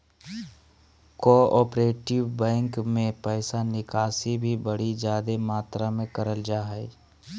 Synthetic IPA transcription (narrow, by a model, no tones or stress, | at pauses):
koːɔːpɾeːʈɪʋbɛ̃ːŋkmẽpɛːsanɪkaːsibʱibəɽid͡ʒjaːd̪emaːt̪ɾamẽkəɾəld͡ʒaːɦɛ